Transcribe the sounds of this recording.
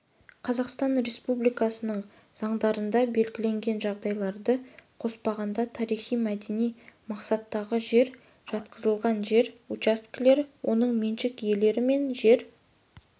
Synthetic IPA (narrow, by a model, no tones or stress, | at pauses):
qʰɑzɑqst̪ɑnɾe̞spublijkɑsənəɴ | z̥ɑɴd̪ɑɾənd̪ɑbe̞lɡʲɪle̞ŋɡʲe̞nʒɑʁd̪ɑjlˠɑɾd̪əqʰo̞spɑʁɑnd̪ɑt̪ʰɑɾijχijmæd̪e̞nijmɑqsɑt̪ːɑʁəʒe̞ɾ | ʒ̥ɑt̪̚qʰəzəlˠʁɑnʒe̞ɾut͡ʃast̪kle̞ɾwʔo̞nəɴmenʃɪkje̞le̞ɾɪme̞nʒe̞ɾ